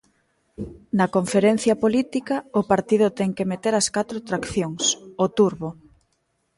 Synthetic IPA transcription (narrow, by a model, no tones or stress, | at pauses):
nɐkoɱfeɾen̟θjɐpolit̪ikaʊpaɾt̪iðʊt̪ɛŋkemet̪eɾɐskat̪ɾot̪ɾakθjoŋsot̪uɾβo